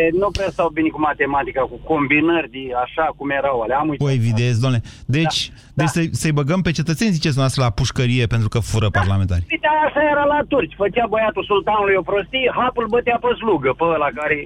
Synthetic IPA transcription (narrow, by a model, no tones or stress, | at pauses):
nupɾast̪awbinekumat̪emat̪ikakukombinərʲd̪iaʃakumjeɾawaleamujtpoevid̪es̬ʲd̪oanled̪e̞t͡ʃʲ | d̪et͡ʃsəjsəjbəɡəmpe̞t͡ʃe̞t̪ət̪sezit͡ʃed̪umeast̪ɾəlapuʃkəɾije̞pent̪ɾukəfuɾəparlament̪a̰ɾʲit̪aaʃajeɾalat̪urt͡ʃʲfət͡ʃabojat̪usult̪anulujopɾost̪iɦapulbət̪eaposluɡəpəlakaɾe